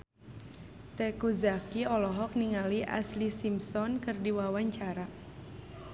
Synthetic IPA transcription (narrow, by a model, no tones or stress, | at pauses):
t̪ɛkuzakiɔlɔɦɔk̚niŋaliʔa̰slisimsɔnkɨrdiwawaɲt͡ʃaɾa